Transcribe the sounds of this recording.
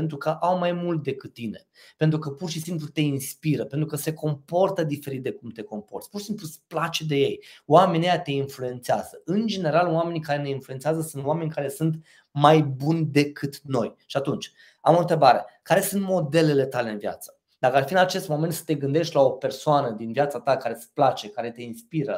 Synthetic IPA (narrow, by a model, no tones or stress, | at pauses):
ent̪ɾukəʔawmajmult̪̚d̪e̞kɨt̪̚ːine̞̰ | pe̞nt̪ɾukəpurʃisimplut̪e̞inspiɾəpe̞nt̪ɾukəse̞ko̞mpo̞rt̪əd̪ife̞ɾit̪̚d̪e̞kumt̪e̞ko̞mpo̞rt̪sʲpurʃisimplusplat͡ʃed̪e̞je̞jwame̞nejat̪e̞influe̞nt̪seaz̥əɨnd͡ʒe̞ne̞ɾalwame̞nʲikaɾe̞ne̞influent̪seazəsunt̪owame̞nʲkaɾe̞sunt̪ | majbunʲd̪e̞kʰɨt̪no̞jʃiat̪unt͡ʃʲ | amo̞nt̪ɾebaɾe̞kaɾe̞sunt̪mo̞d̪e̞le̞le̞t̪ale̞ɨnvja̰t̪sə̥ | d̪akəafiɨnat͡ʃe̞st̪mo̞ment̪sə̥t̪e̞ɡɨnd̪e̞ʃt̪ʲlao̞pe̞rsoanəd̪invjat̪sat̪akaɾe̞splat͡ʃe̞kaɾe̞t̪e̞inspiɾə